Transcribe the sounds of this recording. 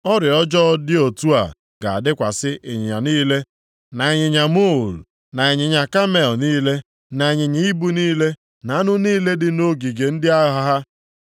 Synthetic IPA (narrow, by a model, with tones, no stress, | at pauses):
ɔ˦ɾɪ˨ɔ˦d͡ʒɔ˦dɪ˦o˨tu˦a̰˨ | ɡ̥a˨a̰˨dɪ˦kʷa˨sɪ˦ʔe˨ɲɪ˨ɲa˨niː˦le˦ | na˨e˨ɲɪ˨ɲa˨mo˦˨l | na˨e˨ɲɪ˨ɲa˨ka˦me˨ɔ˨niː˦le˦ | na˨ɲɪ˨ɲi˦i˦bu˦niː˦le˦ | na˨a˦nʊ˦niː˦le˦dɪ˨no˦ɡi˨ɡe˨n̩˦dɪ˦a˦ɦa˦ɦa˦